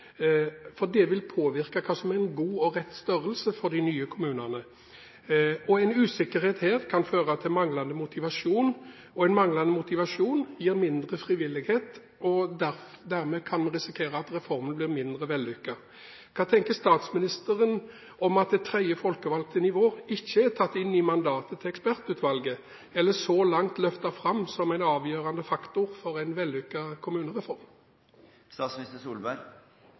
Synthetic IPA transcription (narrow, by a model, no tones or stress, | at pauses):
fɔʁd̪ɛʋɪlpʰoːʋɪɾkɑkʰɑːsɔmɛʁɛɪnɡuːɔɾɛt̪ːst̪œɾəlsəfɔd̪ɪnyːəkʰʊmʉːnənə | ɔɛɪnʉːsɪkːəɾheːt̪heːɾkʰɑnføːɾət̪ʰɪmɑŋlɑnəmʊt̪ɪʋɑʂuːn | ɔɛɪnmɑŋlɑnəmʊt̪ɪʋɑʂuːnjiːɾmɪnd̪ʁəfɾɪʋɪlːɪɡheːt̪ | ɔd̪æd̪æɾmɛkʰɑnmɛnɾɪsɪkʰeːɾəɑt̪ɾɛfɔɾmənblɪɾmɪnd̪ɾəʋɛlːʏkːə | kʰɑːt̪ʰɛŋkəst̪ɑːt̪smɪnɪst̪əɾən | ɔmɑt̪̚d̪ɛt̪ʰɾɛɪjəfɔlkəʋɑlɡ̚t̪ənɪʋoːɪçːəæʁt̪ʰɑt̪ːɪnːɪmɑnd̪ɑːt̪ət̪ʰɪlɛkspæʁt̪ʉːt̪ʋɑlɡə | ɛlːəsɔlɑŋt̪lœft̪ɑfɾɑmːsɔmæɪnɑːʋjøːʁɑnd̪əfɑkt̪ʊʁfɔɾæɪnʋɛlːʏkːɑkʰʊmʉːnəʁɛfɔʁm | st̪ɑːt̪smnɪst̪əsuːlbæɾ